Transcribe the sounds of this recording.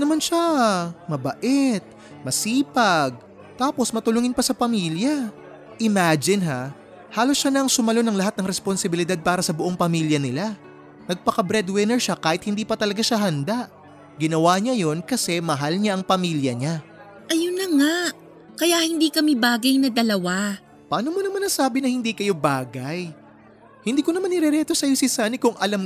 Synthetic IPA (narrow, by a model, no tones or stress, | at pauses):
nɐmanʃamɐbɐʔɛt̪̚ | mɐsiːpɐɡ̚ | t̪aːpo̞smɐt̪ʊlʊŋɪnpɐsɐpɐmiːljɐ | ʔɪmad͡ʒɪnɦa | haːlo̞sʃanɐŋsʊmɐlo̞nɐŋlɐɦat̪nɐŋɾɛsponsɪbɪlɪd̪ad̪̚paːɾɐsɐbʊʔo̞ŋpɐmiːljɐnɪla | nɐɡ̚pɐkɐbɾɛd̪wɪnɛɹʃakaːhɪt̪̚hɪnd̪iːpɐt̪ɐlɐɡaʃaɦɐnd̪aʔ | ɡɪnɐwaɲajo̞nkɐsɛmɐɦalɲaʔɐŋpɐmiːljɐɲa | ʔɐjʊnɐŋa | kɐjaʔhɪnd̪iːkɐmibaːɡɐjnɐd̪ɐlɐwa | pɐʔaːnomɐnɐmɐnːɐsaːbɪnɐhɪnd̪iːkɐjo̞baːɡɐj | hɪnd̪iːkonɐmanɪɾɛɾɛt̪o̞sɐjo̞sɪsaːnikʊŋʔɐlam